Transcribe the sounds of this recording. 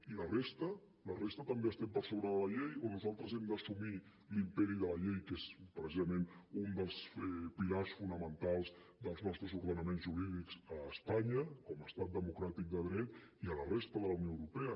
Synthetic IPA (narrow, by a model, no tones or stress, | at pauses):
ilərest̪ə | lərest̪ət̪əmbeəst̪ɛmpəɾsoβɾəðələʎejonuzalˠt̪ɾəzɛmd̪əsumi | limpɛɾiðələʎejkezpɾəsizəmenund̪əlˠsɛpilarsfunəmənt̪alˠzd̪əlˠznɔst̪ɾəzuɾðənəmenzʒuɾiðikz̥əːspaɲəkɔməst̪at̪̚d̪əmukɾat̪ik̚d̪əðɾɛt̪iələrest̪əðələunioəwɾupeə